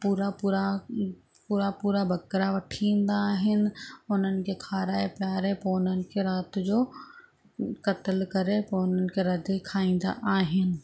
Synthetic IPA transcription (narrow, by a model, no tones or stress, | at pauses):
puːɾapuːɾa | puːɾapuːɾabʱɐkɾaʋɐʈʰĩːn̆d̪aːɦɪnɪ̆ʊn̤ənɪ̆kekʰaːɾaːepjaːɾepoʊn̤ənɪ̆kʰeɾaːt̪d͡ʑoː | kɐt̪əlkɐɾepɐʊnənɪ̆kʰeɾɐd̪ekʰaːĩːn̆d̪a̰ʔaːɦɪnɪ̆